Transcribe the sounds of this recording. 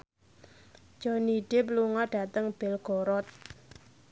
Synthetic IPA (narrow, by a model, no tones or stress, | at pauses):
d͡ʒ̥ɔniɖ̥ɪpluŋɔɖ̥a̤t̪əŋb̥ɪlɡ̥ɔɾɔt̪̚